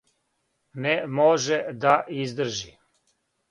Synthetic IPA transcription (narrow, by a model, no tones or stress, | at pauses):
nemoʒɛd̪aʔizd̪r̩ʒi